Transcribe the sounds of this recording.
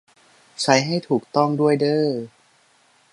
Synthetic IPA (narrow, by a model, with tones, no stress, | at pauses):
t͡ɕʰa˨˦jɦa˥˩jt̪ʰuː˨˩k̚t̪ɔ˥˩ŋdu˥˩əjdɤː˧˩